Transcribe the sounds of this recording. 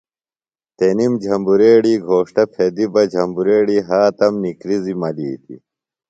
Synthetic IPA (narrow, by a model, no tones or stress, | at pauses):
t̪enimd͡ʑʱɐmbuɾeːɽiːɡʱoːʂʈɐpʰed̪ibɐd͡ʑʱɐmbuɾeːɽiːɦaːt̪ɐmnikɾizimɐliːt̪ḭ